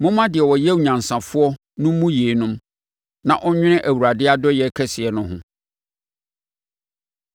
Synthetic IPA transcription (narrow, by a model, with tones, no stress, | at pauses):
mʊ̃˦mã˦dɪ˨ɛ˨wɔ˨jɛ˦wu˨ɲã˨n˨sã˨fʊ˦ɔ˦ | nʊ̃˦m˦mũ˦jeː˨nʊ̃˦m | nã˨ʔɔ˦ɲᶣɪ̃˦nɪ̃˦ʔæ˨wu˨ɾa˨dɪ˦a˦dɔ˦jɛ˨kʰɛ˦sɪ˨ɛ˨nʊ̃˦ɦʊ̰̃˦